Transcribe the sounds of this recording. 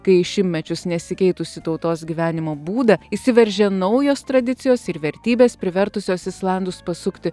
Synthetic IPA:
kɐɪɪʃʲɪmʲmʲɛt͡ʃʲʊsnʲɛsʲɪkʲɛɪt̪ʊsʲɪt̪ɐʊt̪oːsɡʲiːʋʲæːnʲɪmoːbuːd̪ɐisʲɪʋʲɛɾʲʒʲɛnɒʊjoːst̪ɾɐd̪ʲɪt̪sʲɪjoːsɪɾʋʲɛɾʲt̪ʲiːbʲeːspʲɾʲɪʋʲɛɾt̪ʊsʲoːsɪslˠɐnd̪ʊspɐsʊkt̪ʲɪ

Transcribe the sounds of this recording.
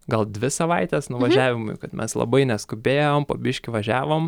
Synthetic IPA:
ɡɐlˠd̪ʲʋʲɪsɐʋɐɪt̪ʲɛsnʊʋɐʒʲæːʋʲɪmʊ̰jkɐt̪mʲɛslˠɐ̰bɐɪnʲɛskʊbʲeːjoːmpobʲɪʃʲkʲɪʋɐʒʲæːʋoːm

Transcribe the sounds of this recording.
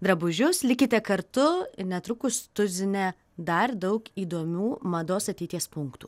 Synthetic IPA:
d̪ɾɐbʊʒʲʊslʲɪkʲɪt̪ʲɛkɐɾt̪ʊnʲɛt̪ɾʊkʊst̪ʊzʲɪnʲɛ | d̪ɐɾd̪ɐʊkiːd̪oɔmʲuːmɐd̪oːsɐt̪ʲɛɪt̪ʲiɛspʊŋkt̪uː

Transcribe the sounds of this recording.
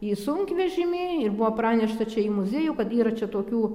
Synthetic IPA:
iːsʊŋʲkʲʋʲɛʒʲɪmʲɪɪrbʊʋoːprɑːnʲɛʃt̪ɐt͡ʃʲɛimʊzʲeːjʊkɐt̪iːɾɐt͡ʃʲɛt̪oːkʲuː

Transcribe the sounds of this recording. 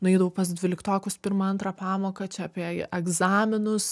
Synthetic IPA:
nʊɛɪd̪ɐʋɐʊpɐs̬d̪ʲʋʲɪlʲɪkt̪oːkʲʊspʲɪɾmɐɐnt̪ɾɑːpɑːmoːkɐt͡ʃʲɛɐpʲiɛɛɡzɑːmʲɪnʊs

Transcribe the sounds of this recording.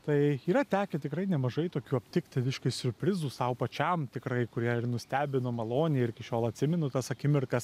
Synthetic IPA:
t̪ɐɪiːɾɐt̪ʲæːkʲɛt̪ʲɪkrɐɪnʲɛmɐʒɐɪt̪oːkʲuːɐpʲt̪ʲɪkt̪ʲɪʋʲɪʃkɐɪsʲʊɾʲpʲɾʲɪzuːsɐʊpɐt͡ʃʲɛmt̪ʲɪkɾɐɪkʊɾʲiɛɪrnʊsʲt̪ʲæːbʲɪnomɐlˠoːnʲɪjɪɾʲɪkʲɪʃʲoːlˠɐt̪ʲsʲɪmʲɛnʊt̪ɐsɐkʲɪmʲɪrkɐs

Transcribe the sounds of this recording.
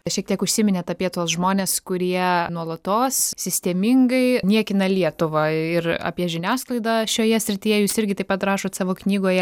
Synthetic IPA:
ʃʲiɛk̚t̪ʲiɛkʊʃʲsʲɪmʲɪnʲɛt̪ɐpʲiɛt̪oːsʒmoːnʲeːskʊɾʲiɛnuɔlˠɐt̪oːssʲɪsʲt̪ʲɛmʲɪŋɡɐɪnʲiɛkʲɪnɐlʲiɛt̪ʊʋɑɪrɑ̰ːpʲiɛʒʲɪnʲæːsklˠɐɪd̪ɑʃʲoːjɛsʲɾʲɪt̪ʲijɛjuːsɪɾʲɡʲɪt̪ɐɪpɐt̪rɑːʃoːt̪sɑːʋoːknʲiːɡoːjɛ

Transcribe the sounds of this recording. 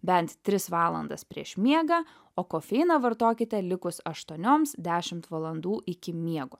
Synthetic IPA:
bʲɛnt̪t̪ʲɾʲɪsʋɑːlˠɐnd̪ɐspʲɾʲḭɛʃmʲiɛɡɐ | oːkoːfʲɛɪnɐʋɐɾt̪oːkʲɪt̪ʲɛlʲɪkʊsɐʃt̪uɔnʲoːmsd̪ʲæːʃʲɪmt̪ʋɐlˠɐnd̪uːʔɪkʲɪmʲiɛɡʊ

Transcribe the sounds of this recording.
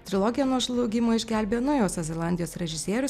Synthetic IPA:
t̪ʲɾʲɪlˠɔɡʲɪjɛnuɔʒlˠɐʊɡʲɪmoːɪʒʲɡʲæˑlʲbʲeːnɔʊjoːsɐzʲɛlˠɑˑnʲd̪ʲɪjoːsɾʲɛʒʲɪsʲiɛɾʲʊs

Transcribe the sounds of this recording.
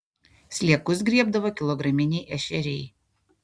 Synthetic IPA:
sʲlʲiɛkʊsɡɾʲiɛbd̪ɐʋoːkʲɪlˠɔɡɾɐmʲɪnʲɛjʔɛʃʲɛɾʲɛj

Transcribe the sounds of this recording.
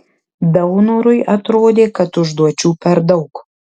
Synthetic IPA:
d̪ɐwnuɾʊɪʔɐt̪ɾoːd̪ʲeːkɐt̪ʊʒd̪uɔt͡ʃʲuːpʲɛɾd̪ɐʊk

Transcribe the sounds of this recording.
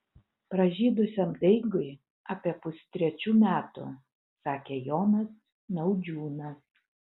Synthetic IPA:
pɾɐʒʲiːd̪ʊsʲɛmd̪ɐɪɡʊɪ | ɑːpʲiɛpʊsʲt̪ʲɾʲɛt͡ʃʲuːmʲæːt̪ʊ̰ | sɑːkʲeːjoːnɐs | nɐʊd͡ʒʲuːnɐ

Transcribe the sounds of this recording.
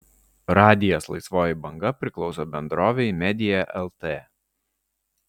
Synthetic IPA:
ɾɑːd̪ʲɪjoːslˠɐ̰ɪsʋoːjɪbɐŋɡɐpʲɾʲɪklˠɒʊsobʲɛnd̪ɾoːʋʲɛɪmʲɛd̪ʲɪjɛʔɛlˠt̪eː

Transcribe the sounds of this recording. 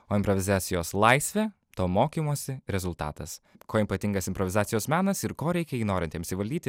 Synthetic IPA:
oːɪmpɾoʋʲɪzɑːt̪sʲɪjoːslˠɐɪsʲʋʲɛː | t̪oːmoːkʲimoːsʲɪɾʲɛzʊlˠt̪ɑ̰ːt̪ɐskoːipɐt̪ʲɪŋɡɐsɪmpɾɔʋʲɪzɑːt̪sʲɪjoːsmʲæːnɐsɪɾkoːɾʲɛɪkʲɛjiːnoːɾʲɪnʲt̪ʲɪɐpʲsʲɪʋɐlʲd̪ʲiːt̪ʲɪ

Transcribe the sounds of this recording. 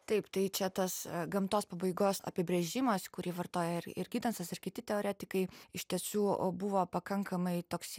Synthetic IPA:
t̪ɐɪpt̪ɐɪt͡ʃʲɛt̪ɐsɡɐmt̪oːspɐbɐɪɡoːsɐ̰pʲɪbʲɾʲɛʒʲɪmɐskʊɾʲiːʋɐrt̪oːjɛɪrɪ̰rɡʲiːd̪ʲɐnsɐsɪrkʲɪt̪ʲɪt̪ʲɛoːɾʲæːt̪ʲɪkɐɪɪʃʲt̪ʲiɛsuːbuʋoːpɐkɐŋkɐmɐɪt̪oːks

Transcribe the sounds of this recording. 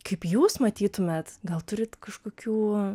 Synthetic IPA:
kɐɪpjuːsmɐt̪ʲiːt̪ʊmʲɛt̪ɡɐlˠt̪ʊɾʲɪt̪kɐʃkoːkʲuː

